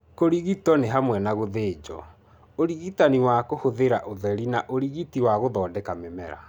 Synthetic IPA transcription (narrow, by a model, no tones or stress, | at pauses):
koɾiɣitɔneɦamwɛnaɣoðeːd͡ʒɔ̰ | oɾiɣitaniwakohoðeɾaʔoðɛɾinaʔoɾiɣitiwaɣoðɔːdɛkamɛmɛɾa̰